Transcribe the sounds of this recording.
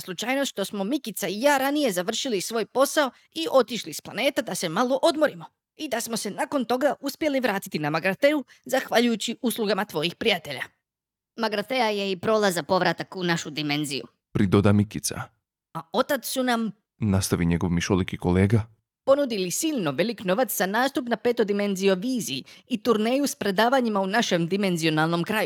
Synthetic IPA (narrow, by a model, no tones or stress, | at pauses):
slˠut͡ʃajnosʃt̪o̞smo̞mikit̪saijaːɾanije̞zaʋr̩ʃilisʋo̞ːjpo̞sao̞ | iʔo̞t̪iʃlisplˠane̞ːt̪ad̪ase̞malo̞ʔo̞d̪mo̞ɾimo̞ | id̪asmose̞nako̞nt̪o̞ɡaʔuspje̞liʋɾaːt̪i̥t̪inamaɡɾat̪e̞u | zaxʋaʎujut͡ɕiʔuːslˠuɡamat̪ʋo̞jixpɾijat̪e̞ʎa | maɡɾat̪e̞aje̞ipɾo̞ːlˠazapo̞ʋɾat̪akunaʃud̪ime̞nzḭjṵ | pɾid̪od̪amikit̪sa̰ | ao̞t̪at̪ssunam | nast̪aʋiɲe̞ɡo̞ʋmiʃolikikole̞ːɡa | po̞nud̪ilisiːʎno̞ʋe̞likno̞ʋat̪sz̥anaːst̪upnape̞t̪o̞d̪ime̞nzijo̞ʋiːziit̪uɾne̞ːjuspɾe̞d̪aːʋaɲimaunaʃe̞md̪ime̞nzio̞nalˠno̞mkɾaju